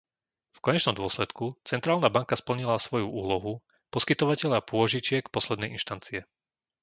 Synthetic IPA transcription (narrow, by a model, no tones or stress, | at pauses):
fkɔɲɛt͡ʃnɔmd̪ʊɔslɛt̪kut͡sɛnt̪ɾaːlnabaŋkaspl̩ɲilasʋɔjuuːlɔɦu | pɔskit̪ɔʋacɛʎapʊɔʒit͡ʃɪɛkpɔslɛd̪nɛjḭnʃt̪ant͡siɛ